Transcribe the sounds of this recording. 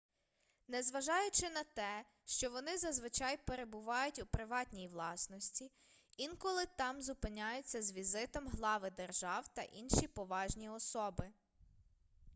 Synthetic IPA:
nɛzʋɐʒɑjʊt͡ʃɪnɐt̪ɛ | ʃt͡ʃɔʋɔnɪzɐzʋɪt͡ʃɑjpeɾe̞bʊʋɑjʊtʲupɾɪʋɑtʲnʲijiʋlˠɑsnɔsʲtʲi | inkɔlˠɪt̪ɑmzʊpɪnʲajʊt͡sʲːɐzʋʲizɪt̪ɔmɦlˠɑʋɪd̪erʒɑwt̪ɐʔinʃipɔʋɑʒnʲiɔsɔbɪ

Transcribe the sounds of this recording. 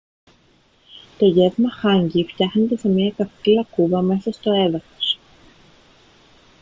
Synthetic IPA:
t̪o̞ʝe̞vmɐxɐɲɟift̪çɐxnet̪e̞semiɐkɐft̪ilɐkuvɐme̞sɐst̪o̞e̞ðɐθo̥s

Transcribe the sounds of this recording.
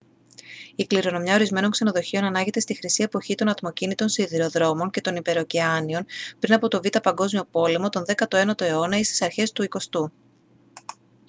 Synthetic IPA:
ikliɾo̞no̞mɲɐo̞ɾizme̞no̞ŋkse̞no̞ðo̞çio̞nɐnɐʝe̞t̪e̞st̪ixɾisie̞po̞çit̪o̞nɐt̪mo̞cinit̪o̞nsiðiɾo̞ðɾo̞mo̞nce̞t̪o̞nipe̞ɾoceɐnio̞npɾinɐpo̞t̪o̞vit̪ɐpɐŋɡo̞zmio̞po̞le̞mo̞t̪o̞nðe̞kɐt̪oe̞nɐt̪o̞e̞o̞nɐist̪i̥sɐɾçe̞st̪uiko̞st̪u

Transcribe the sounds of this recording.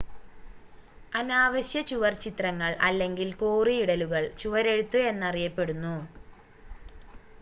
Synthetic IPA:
ɐnaːʋɐɕjɐt͡ɕuʋɐrt͡ɕit̪rɐŋːɐɭʔɐlːe̞ŋɡilkoːriiɽɐluɣɐɭt͡ɕuʋɐɾe̞ɽut̪ːɨe̞nːɐrijɐpːe̞ɽunːu

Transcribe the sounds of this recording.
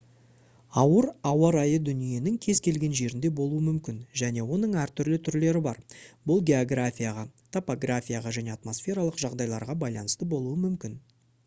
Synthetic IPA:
ɑwəɾɑwɑɾɑjəd̪ʏnije̞nɪŋkʲʰe̞zkʲʰe̞lɡʲe̞nʒe̞ɾɪnd̪e̞bo̞lˠuwəmʏmkʲɪnʒæne̞wo̞nəɴæɾt̪ʰʏɾlɪt̪ʰʏɾle̞ɾɪbɑɾbʊlˠɡʲe̞o̞ɡrafʲijaʁɑt̪ʰopoɡrafʲijaʁɑʒæne̞at̪mo̞sfʲe̞ɾalˠəqʒɑʁd̪ɑjlˠɑ̰ɾʁɑbɑjlˠɑnəst̪əbo̞lˠuəmʏmkʲɪn

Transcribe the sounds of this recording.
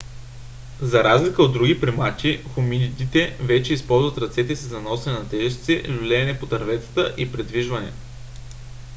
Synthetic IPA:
zɐɾazlʲikəod̪ɾuɡʲipɾimat͡ʃixominid̪it̪ɛvɛt͡ʃɛispɔlˠzvɐt̪ɾɐt̪sɛt̪ɛsizɐnɔsɛnɛnɐt̪ɛʒɛst̪sɛlʲulɛːnɛpot̪ɐɾvɛt̪sə̥t̪əʔipɾɛd̪viʒvɐnɛ̰

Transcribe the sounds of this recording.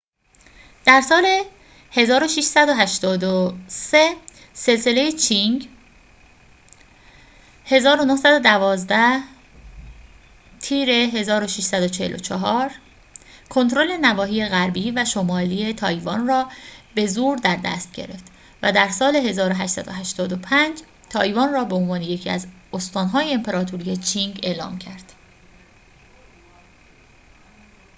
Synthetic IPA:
d̪̥æɾsɒːle̞ | he̞zɒːɾo̞ʃiʃsæd̪oɦæʃt̪ɒːd̪ose | se̞lse̞lejet͡ʃʰiŋɡ | he̞zɒːɾo̞nohsæd̪o̞d̪ævɒːzd̪æh | t̪ʰiːɾe̞ɦe̞zɒːɾo̞ʃiʃsæd̪ot͡ʃʰehelʔo̞̰t͡ʃʰɒɦɒːɾ | kʰo̞nt̪ɾo̞le̞nævɒːɦiːjeɣæɾbiːvæʃomɒːliːet̪ʰɒːjvɒːnrɒːbe̞zuːɾd̪æɾd̪æ̰st̪̚ɟe̞̰ɾe̞̰ft̪ | væd̪æɾsɒːle̞ɦe̞zɒːɾoɦæʃsæd̪o̰ɦæʃt̪ɒːd̪o̞pʰænd͡ʒ | t̪ʰɒːjvɒːnrɒːbeonvɒːneje̞cʰiæ̰zost̪ɒːnɦɒːjeempʰe̞ɾɒːt̪ʰoɾije̞t͡ʃʰiŋɟe̞ːlɒ̰ːmcʰæɾd̪̥

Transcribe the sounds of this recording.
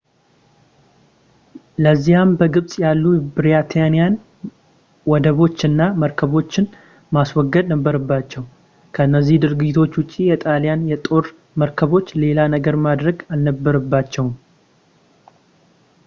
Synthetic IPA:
ləzːihambəɡɨβsʼjalːubɨɾjat̪ʰjanijan | wɔd̪əβo̞t͡ʃːɨnːaməɾkʰəβo̞t͡ʃːɪn | maswɔɡːəd̪nəbːəɾəbːat͡ʃːɛw | kʰəɨnːəzːihd̪ɨɾɡd͡ʒɪt̪ʰo̞t͡ʃːwʊt͡ʃʼːijɛt̪ʼaljanjɛt̪ʼo̞ɾ | məɾkʰəβo̞t͡ʃːle̞lanəɡəɾmad̪ɾəɡalnəbːəɾəbːat͡ʃːɛwm

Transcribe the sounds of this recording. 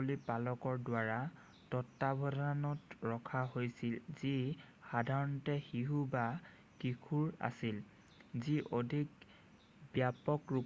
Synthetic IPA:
olipalɔkɔɹdwaɹa | tɔtːabʱɔdanɔtɹɔkʰaɦojsilzixadʱaɹɔntɛxiɦuba | kikʰuɹa̰sil | ziʔodʱik̚ | bjapɔkɹu

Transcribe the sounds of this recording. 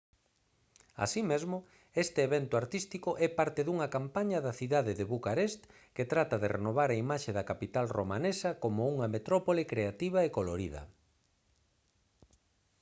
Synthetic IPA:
a̰simezmʊ | est̪ɪːβɛnt̪ʊaɾt̪ist̪ikʊʔɛpaɾt̪eðuŋɐkampaɲɐðɐθiðaðeðeβukaɾest̪ | ket̪ɾat̪ɐðerenoβ̞aɾaimaʃeðɐkapit̪alromanesɐkomʊuŋɐmet̪ɾɔpolikɾeat̪iβ̞ɐekoloɾiðɐ̰

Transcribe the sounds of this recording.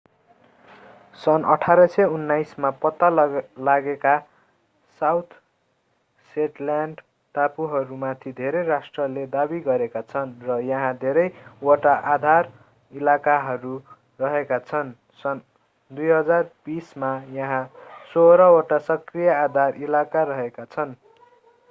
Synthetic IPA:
sʌnʌʈʰaɾʌseunːajsmapʌt̪ːalaɡeka | sawt̪ʰ | seʈlaɳɖ | ʈapuɦʌɾumat̪ʰid̪ʱeɾejrasʈrʌled̪abiɡʌɾekat͡sʰʌnrʌjʌɦãd̪ʱeɾʌjoʈaʔad̪ʱar | ilakaɦʌɾu | rʌɦekat͡sʰʌn | sʌn | d̪ujɦʌd͡zarb̥ismajʌɦãsoɾʌoʈasʌkrijʌad̪ʱarilakaɾʌɦekat͡sʰʌn

